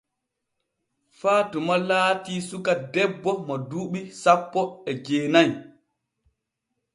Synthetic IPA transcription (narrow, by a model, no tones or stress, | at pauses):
faːtumalaːtisukadɛbːɔmaduːɓisapːɔɛd͡ʒeːnaj